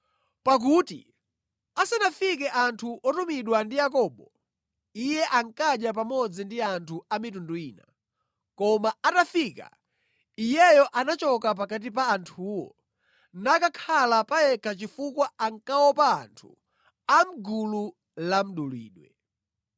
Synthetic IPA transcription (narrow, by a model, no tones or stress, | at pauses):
pak̬utḭ | asanafikɛʔantʰuʔɔtumiɗwandijakɔːɓɔ | ijɛʔaŋkaɗjap̬amɔd͡zindiantʰuamitunduiːna̰ | kɔmaatafika̰ | ijɛjɔʔanat͡ʃɔkap̬akat̬ip̬aːntʰuːwɔ̰ | nakakʰalapajɛkʰat͡ʃifukwaaŋkawɔpa̰ːntʰu | am̩ɡulu | lam̩ɗulḭːɗwɛ̰